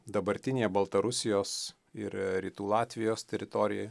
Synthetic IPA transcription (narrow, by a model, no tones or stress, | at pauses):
d̪ɐbɐɾʲt̪ʲɪnʲeːjɛbɐlˠt̪ɐɾʊsʲɪjoːs | ɪɾɾʲiːt̪uːlˠɑːt̪ʲʋʲɪjoːst̪ʲɛɾʲɪt̪oːɾʲɪjɛj